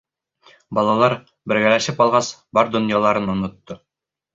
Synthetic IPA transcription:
bɑlˠɑlˠɑɾ | bɘ̆ɾɡælæʃɘpɑlˠʁɑsbɑɾd̪ŏnjɑlˠɑɾɤnŏnŏt̪ːo

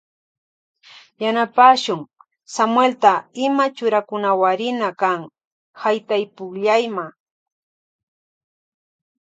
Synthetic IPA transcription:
janapaːʃʊŋ | samwelt̪aɪmat͡ʃʊɾakʊnawaɾɪnakaŋ | hajt̪ajpʊkʎajma

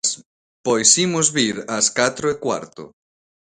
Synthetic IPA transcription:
s | pojsimʊzβiɾɐskat̪ɾoekwa̰ɾt̪ʊ̰

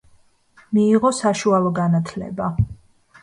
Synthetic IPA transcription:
miːʁɔsaʃualˠɔɡanat̪ʰlɛ̰ba

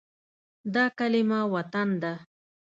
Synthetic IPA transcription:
d̪akalɪmawat̪and̪a

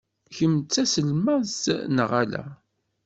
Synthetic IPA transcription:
çəmt͡sːæsəlmæsnʁalæ̰

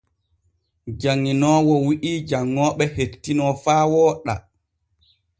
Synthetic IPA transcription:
d͡ʒaŋːinɔːwɔwiʔid͡ʒaŋːɔːɓɛhetːinɔfaːwɔːɗa̰

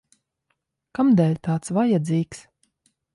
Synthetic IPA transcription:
kamd̪ɛlʲt̪aːt̪svajad̪ziːks

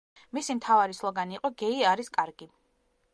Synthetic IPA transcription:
misimt̪ʰavaɾislˠɔɡaniːqʼɔɡɛiaɾiskʼaɾɡi

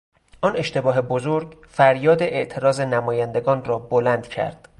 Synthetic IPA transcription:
ɒːne̞ʃt̪e̞bɒːɦe̞bozoɾɟ | fæɾjɒːd̪eʔeʔt̪ʰe̞ɾɒːzenæmɒːjænd̪e̞ɡɒːnrɒːbolænd̪cʰæ̰ɾd̪̥

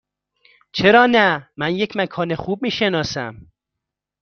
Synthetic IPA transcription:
t͡ʃʰeɾɒːnæmænjecʰmækʰɒːnexuːb̚miːʃenɒːsæ̰m

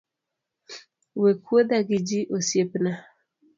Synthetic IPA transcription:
wekuodaɡid͡ʒiʔosjepna

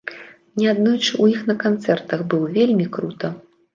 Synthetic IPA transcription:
nʲɛad̪nɔjt͡ʂɨuixnɐkant̪sɛrt̪ɐɣbɨwvʲelʲmʲikɾut̪ɐ

